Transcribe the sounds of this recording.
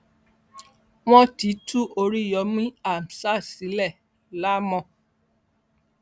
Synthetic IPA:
w̃ɔ̃˦ti˨˦tʰu˦ʔo˧ɾi˦˨jɔ˨˦mĩ˦a˦˨m̩˨sa˦˨si˨˦lɛ˦˨ | la˦mɔ̃˧

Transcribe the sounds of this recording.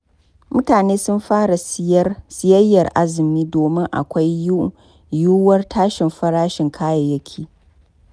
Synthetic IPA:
mʊ˦taː˨neː˦sʊ˦mɸaː˦ɾa˨˦sɪ˦jɐ˦jːɐ˨rʔa̰˦zɪ˨miː˦doː˨mɪ˦ŋʔa̰˨kʷa˦ju˦ | juː˦wɐ˦rtʰaː˦ʃɪ˨mɸɐ˦ɾaː˦ʃɪ˨ŋkʰaː˦jɐ˨jɐ˦kʲʰiː˨

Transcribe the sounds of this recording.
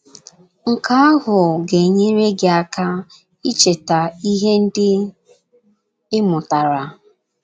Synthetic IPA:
ŋ̩˨ka˦a˦ɦʊ˨ɡe˨ɲe˦ɾe˦ɡe˨a˦˨ka˦ | i˦t͡ʃe˨ta˨i˦ɦe˦n̩˦dɪ˦ | ɪ˦mʊ˨ta˨ɾa˨

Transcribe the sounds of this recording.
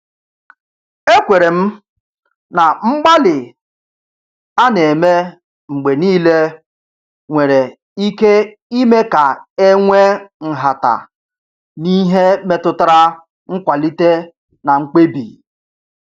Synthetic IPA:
e˦kʷe˨ɾe˨m̩˦ | na˨ŋ͡m̩˦ɡ͡ba˦lɪ˨ | a˦ne˨me˦ | ŋ͡m̩˨ɡ͡be˨niː˦le˦ | ŋʷe˨ɾe˨ | i˦ke˦ | i˦me˦ka˨e˦ŋʷe˦ŋ̩˨ɦa˨ta̰˨ | ni˦ɦe˦me˦tʊ˦ta˦ɾa˦ | ŋ̩˦kʷa˨li˦te˦ | na˨ŋ͡m̩˦k͡pe˦bḭ˨

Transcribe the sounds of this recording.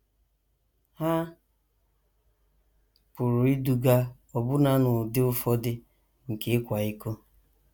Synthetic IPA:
ha˦ | pʊ˨ɾʊ˨i˦du˦ɡa˦ | ɔ˨bʊ˦na˨˦nʊ˨dɪ˦ʊ˦fɔ˦dɪ˦ | ŋ̩˨ke˦kʷa˨i˦ko˦

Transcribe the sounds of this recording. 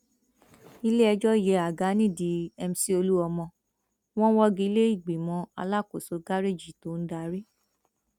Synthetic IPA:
i˧le˦ɛ˧d͡ʒɔ˦˨jɛ˨˦a˨ɡa˨˦nĩ˦˨di˨˦ɛ˧m̩˦si˦o˧lu˦ɔ˧mɔ̃˧ | w̃ɔ̃˦wɔ˦ɡi˧˦le˦i˦˨ɡ͡bi˨mɔ̃˨˧˦a̰˧la˦˨ko˨so˨˧ɡa˦ɾe˦˨d͡ʒi˨to˨˦n̩˦da˧˨˦ɾi˦

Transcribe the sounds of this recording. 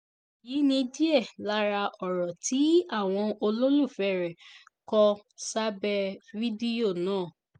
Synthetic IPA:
ji˨˦nĩ˧di˦ɛ˦˨la˦ɾa˧ʔɔ˨ɾɔ˨tʰi˨˦a˦˨w̃ɔ̃˧o˧lo˦lu˦˨fɛ˨ɾɛ˨ | kɔ˧sa˦bɛ˧vi˦di˦o˦˨nãː˦˨

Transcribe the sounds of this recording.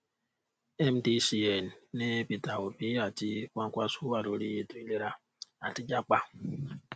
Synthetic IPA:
ɛ˦mdi˦si˦ɛ˨nːe˦pi˨ta˨o˨bi˦a˨ti˦kʷa˦ŋ˦kʷa˦su˦a˨ɾo˨ɾi˦je˨tu˦i˦le˦ɾa˦ | a˨ti˦d͡ʒa˦k͡pa˦

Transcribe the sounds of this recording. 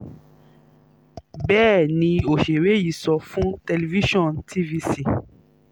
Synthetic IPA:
bɛː˦˨nĩ˧o˨ʃe˨ɾe˨˦ji˨sɔ˧fũ˦te˧le˨vi˦ʃɔ̃˦˨ntʰi˦vi˧si˦˨

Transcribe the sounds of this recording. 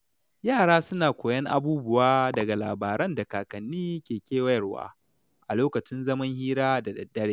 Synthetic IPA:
jaː˦˨ɽaː˦sʊ˦naː˨kʷoː˨jɐ˦ŋʔa̰˦buː˦bʊ˨waː˦dɐ˨ɡa˨la̰ː˨baː˨ɾɐ˦nda˨kaː˨kɐ˨nːiː˦kʲeː˨kʲeː˦wɐ˦jɐ˨rwa̰ː˦ | ʔa˨loː˦kɐ˨t͡ʃɪ˦nzɐ˦mɐ˦ŋhiː˦ɾaː˦da˨dɐ˨dːɐ˦ɽeː˦˨

